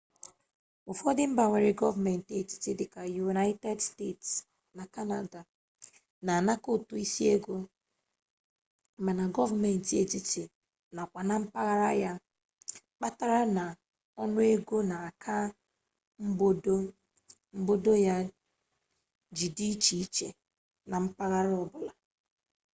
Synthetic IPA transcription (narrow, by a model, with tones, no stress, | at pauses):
ʊ˨fɔ˦dɪ˦m̩˦ba˨ŋʷe˨ɾɪ˨ɡɔ˦va˨me˨n̩˨te˨t͡ʃi̥˦ti˦dɪ˨ka˨ju˨na˦ɪ˦te˦dste˦˨ts | na˨ka˦na˨da˨ | na˨na˦ko˦tu˨i˦si˦e˦ɡo˦˨ | ma˨na˨ɡɔ˦va˨me˨n̩˨te˨t͡ʃi˦ti˨ | na˨kʷa˨na˦m̩˦pa˦ɣa˦ɾa˦ja˦ | k͡pa˦ta˦ɾa˦na˨ | ɔ˦nʊ˦e˦ɡo˦na˨a˨kʰa˦ | m̩˦bo˦do˦ | m̩˦bo˦do˦ja˦ | d͡ʒi˨di˦t͡ʃi˨i˦t͡ʃḛ˨ | na˨m̩˦pa˦ɣa˦ɾɔ˦bʊ˨la˨